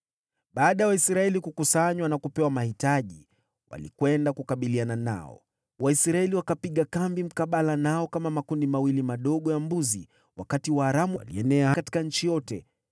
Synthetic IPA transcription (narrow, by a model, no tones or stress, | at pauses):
ɓaːɗajawaisɾaɛlikukusaɲwanakupɛwamahitaʄi | wa̰lḭkwɛndakukaɓilianana̰ɔ̰ | waisɾaɛliwakapiɠakambim̩kaɓalanaɔkamamakundimawilimaɗɔɠɔjambuzi | wakatiwaːɾamulḭɛnɛahkati̥kaɲ̩t͡ʃijɔtɛ